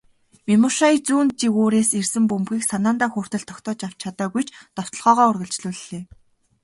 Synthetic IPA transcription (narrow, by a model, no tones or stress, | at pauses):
mimʊʃait͡suːnt̪̚t͡ɕiɣoːɾeːsersɘ̆mpɵmpɡʲiːksanaːnt̪aːxʊːr̥t̪ə̆ɬt̪ʰɔ̥kt̪ʰɔːt͡ɕaw̥t͡ɕʰat̪aːɣujt͡ɕʰt̪ɔw̥t̪ɞ̆ɮʁɔːʁɔːʊrɣə̆ɮt͡ɕɮuːɮːeː